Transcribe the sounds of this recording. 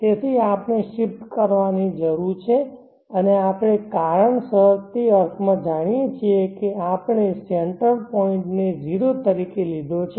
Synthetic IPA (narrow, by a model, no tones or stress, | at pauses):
t̪et̪ʰiapneʃɪpt̪kəɾʋanid͡ʒəɾuɾt͡ʃʰe | əneapɽ̃ekaɾəɳsəɾt̪iəɾtʰmãd͡ʒaɽ̃ijet͡ʃʰiekeapɳ̃eseɳʈəɾpɔɪ̃ɳʈned͡ʒiɾot̪əɾikelid̪ʱot͡ʃʰe